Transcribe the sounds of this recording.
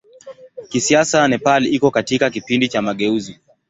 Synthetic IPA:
kisiasanɛpaliikɔkatikakipindit͡ʃamaɠɛuzi

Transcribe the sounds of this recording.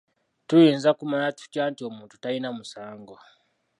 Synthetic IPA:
tuinzakumanatu̥cantiɔmuntutainamusaːŋɡɔ

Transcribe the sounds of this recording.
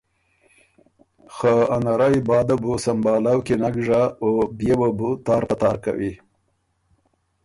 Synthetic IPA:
xəanaɾajbɑːd̪abusambɑːlawkenaɡʐaobjebabut̪ɑːɾpat̪ɑːɾka̰wi

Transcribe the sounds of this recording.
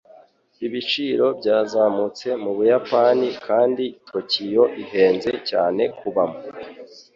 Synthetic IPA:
iβit͡ʃiːɾo̞bɟaːzaːmut͡se̞muβujapaːnikʰaːnditʰo̞cijo̞ʔihe̞ːnze̞caːne̞kʰuβamo

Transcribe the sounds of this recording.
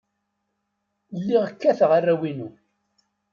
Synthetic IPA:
lːiʁəkːæθʁarːæwinu

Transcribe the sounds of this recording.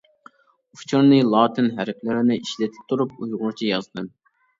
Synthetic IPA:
uft͡ʃʰoɾnɨlˠɑːt̪ʰɪnɦæɾɪk̚ʰʲlɪɾɪnɪʔiʃlɛt̪ʰɪ̥p̚t̪ʰuɾup̚ujʁʊɾt͡ʃʰijɑzd̪ɨm

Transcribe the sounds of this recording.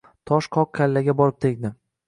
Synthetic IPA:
t̪ʰɒʃqʰɒq̚kʰʲːalːaɡʲabɒɾɪp̚t̪ʰekʲd̪ɪ

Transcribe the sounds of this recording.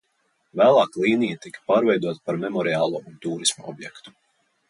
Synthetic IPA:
væːlˠɑːklˠiːnijat̪ikɐ̥paːɾvʲɛjd̪uɔt̪ḁpaɾmɛmɔɾiaːlˠuɔunt̪uːɾismaɔ̰bjɛkt̪u̥

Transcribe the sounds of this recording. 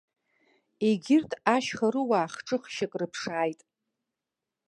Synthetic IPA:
eɡʲɪrtʰaʃχaɾɨwaːχʈ͡ʂʼɨχʃakʼrɨpʰʂaːjtʼ

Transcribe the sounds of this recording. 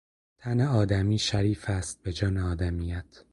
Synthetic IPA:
t̪ʰæneɒːd̪æmiːʃæɾiːfæst̪̚be̞d͡ʒɒːneɒːd̪æmiːjæt̪ʰ

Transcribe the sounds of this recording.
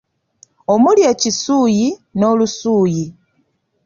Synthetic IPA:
o̞mulje̞ːcisuːjino̞ːlusuːji

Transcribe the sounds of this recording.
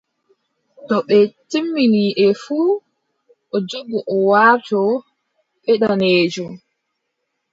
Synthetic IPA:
tɔɓɛtimːiniːʔɛfuː | ʔɔd͡ʒobːɔʔɔwaːtɔ | ɓɛɗaneːd͡ʒɔm

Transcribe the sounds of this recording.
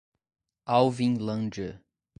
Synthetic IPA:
awvĩŋlɐ̃nd͡ʒə

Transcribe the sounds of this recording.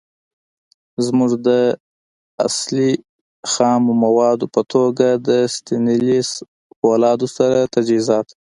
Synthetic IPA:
zmuʐd̪ə | a̰sli | xɑmomawɑd̪opət̪ʰoɡad̪əst̪ɪnilis | walɑd̪osaɾat̪ad͡ʒizɑt̪

